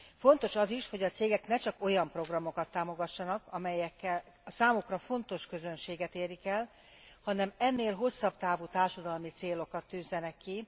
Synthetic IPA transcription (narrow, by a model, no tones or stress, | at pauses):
fo̞nt̪o̞ʃɒziʃho̞ɟɒt̪seːɡɛknɛt͡ʃɒko̞jɒmpro̞ɡrɒmo̞kɒt̪ːaːmo̞ɡɒʃːɒnɒkɒmɛjɛkːɛl | saːmukrɒfo̞nt̪o̞ʃkø̞zø̞nʃeːɡɛt̪eːrikɛl | hɒnɛmɛnːeːlɦo̞sːɒbt̪aːvuːt̪aːrʃɒd̪ɒlmit̪seːlokɒt̪ːyːzːɛnɛkːi